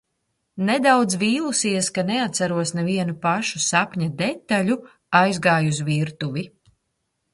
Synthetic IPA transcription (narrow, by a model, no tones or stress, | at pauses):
nɛd̪awd̪zviːlˠusiɛskanɛat̪saɾuɔsnɛviɛnupaʃusapɲad̪ɛt̪ːaʎu | ajzɡaːjuzviɾt̪uvi